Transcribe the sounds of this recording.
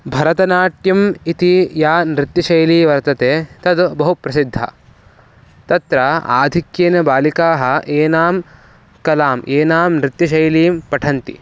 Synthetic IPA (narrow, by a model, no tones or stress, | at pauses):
bʱɐɾɐt̪ɐnaːʈjɐmit̪ijaːnɾit̪jɐʃɐjliːʋɐɾt̪ɐt̪eːt̪ɐd̪bɐɦupɾɐsid̪ʱːɐ̰ | t̪ɐt̪ɾɐa̰ːd̪ʱikjeːnɐbaːlikaːɦɐ̆ʔeːnaːm | kɐlaːmʔeːnaːmnɾit̪jɐʃ̬ɐjliːmpɐʈʰɐnt̪ḭ